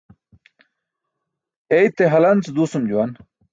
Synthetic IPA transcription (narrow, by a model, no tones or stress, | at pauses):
ejt̪ːeɦɐlɐnt͡sd̪uːsumd͡ʑuwɐn